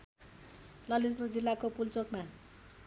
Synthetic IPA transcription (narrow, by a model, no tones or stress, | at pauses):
lʌlit̪rod͡zilːakopult͡sokma